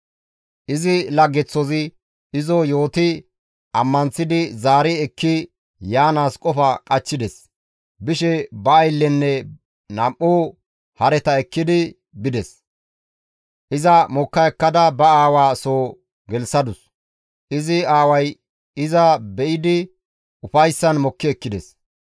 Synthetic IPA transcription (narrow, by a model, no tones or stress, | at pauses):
ʔɪzɪlɐɡːɛt͡sːɔzɪ | ɪzɔjo̞ːt̪ɪ | ʔɐmːɐnt͡sːɪd̪ɪzaːɾɪɛkʰːɪ | jaːnaːskʼɔfɐkʼɐt͡ʃːɪd̪ɛs | bɪʃɛbɐːjlːɛnːɛ | nɐmʔːoː | hɐɾɛt̪ɐɛkːɪd̪ɪ | bɪd̪ɛs | ʔɪzɐmɔkːɐɛkːɐd̪ɐbɐaːwaːsoː | ɡɛlsɐd̪ʊs | ʔɪzɪaːwɐj | ɪzɐbɛʔɪd̪ɪ | ʊfɐjsːɐnmɔkːɪɛkːɪd̪ɛs